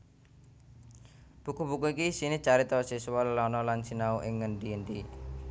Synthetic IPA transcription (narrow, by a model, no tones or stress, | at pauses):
b̥ukubukuikisinit͡ʃaɾit̪ɔsisuwallɔnɔlansinauʔɪŋːəɳɖiəɳɖ̪i